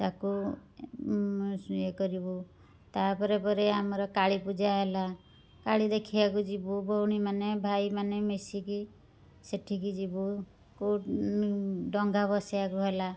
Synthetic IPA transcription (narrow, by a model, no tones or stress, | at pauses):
t̪aku | ekɔɾibu | t̪apɔɾepɔɾeamɔɾɔkaɭipud͡ʒaɦela | kaɭid̪ekʰiakud͡ʒibubowɽ̃imanebʱajmanemesiki | seʈʰikid͡ʒibu | ku | ɖɔŋɡʱabɔsiakuɦela